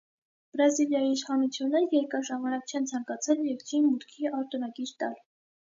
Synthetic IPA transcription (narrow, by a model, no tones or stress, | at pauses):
b̥ɾɑziljɑjiːʃχɑnut͡sʰjunːɛɾjɛɾkɑʒɑmɑnɑk̚t͡ʃʰɛnt͡sʰɑŋkɑt͡sʰɛljɛɾkɾinmut̪kʰiɑɾt̪unɑɡiɾt̪ɑl